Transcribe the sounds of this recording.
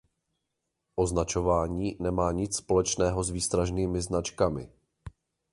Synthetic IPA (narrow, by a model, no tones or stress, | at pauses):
ʔo̞znat͡ʃo̞vaːɲiːnɛmaːɲɪt͡sspo̞lɛt͡ʃnɛːɦo̞zviːst̪ɾaʒniːmɪznat͡ʃkamɪ̰